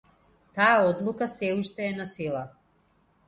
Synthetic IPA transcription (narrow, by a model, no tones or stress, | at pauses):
t̪ajaɔd̪lˠukasɛuʃt̪ɛːnasilˠa